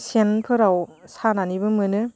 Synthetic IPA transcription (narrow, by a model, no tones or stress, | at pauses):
senpʰɯɾawsananibɯmɯnɯ